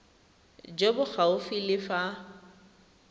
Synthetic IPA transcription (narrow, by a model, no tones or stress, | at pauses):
d͡ʒebʊk͡xaʊfilɪfa